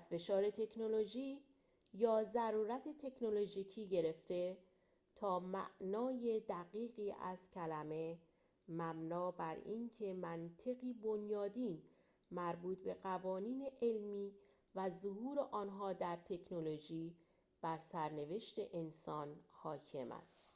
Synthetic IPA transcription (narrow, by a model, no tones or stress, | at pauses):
æzfe̞ʃɒːɾe̞t̪ʰe̞kʰno̞lo̞ʒiː | jɒːzæɾuːɾæt̪ʰet̪ʰe̞kʰnolo̞ʒiːcʰiːɟe̞ɾe̞ft̪e̞ | t̪ʰɒːmæ̰ʔnɒːje̞d̪æɣiːɣiːʔæ̰z̥cʰælæme̞ | mæbnɒːbæɾiːncʰe̞mænt̪ʰe̞ɣiːbo̞njɒːd̪iːn | mæɾbuːt̪be̞ɢævɒːniːne̞ʔelmiː | væzohuːɾe̞ʔɒːnɦɒːd̪æɾt̪ʰe̞kʰnolo̞ʒiː | b̥æɾsæɾne̞ve̞ʃt̪e̞ʔensɒːnhɒːcʰe̞̰mæ̰st̪